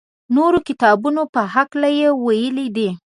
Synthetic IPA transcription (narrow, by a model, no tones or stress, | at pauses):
noɾokɪt̪ɑbunopəɦaklajewajəlid̪i